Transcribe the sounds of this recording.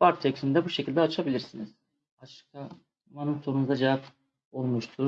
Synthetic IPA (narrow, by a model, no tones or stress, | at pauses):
vaɾt̪ʰeksind̪ɛbuʃecʰilʲd̪ɛat͡ʃʰabilʲiɾsiniz̥ | aʃɯ̥kʰa | manot̪ʰounuzd̪ad͡ʒevap | o̞lˠmuʃt̪ʰu